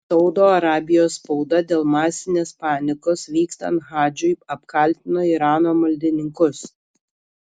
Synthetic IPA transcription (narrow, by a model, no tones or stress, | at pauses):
sɒʊd̪oːɐɾɑːbʲɪjoːspɔʊd̪ɐd̪ʲeːlˠmɑːsʲɪnʲeːspɑːnʲɪkoːsʋʲiːkst̪ɐ̰nɣɑːd͡ʒʲʊɪɐpkɐˑlʲt̪ʲɪnoːiɾɑːnoːmɐlʲd̪ʲɪnʲɪŋkʊs